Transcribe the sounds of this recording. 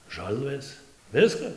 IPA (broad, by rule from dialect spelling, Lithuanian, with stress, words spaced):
ˈʒɐlˠʋɘs ˈʋʲɪskɐs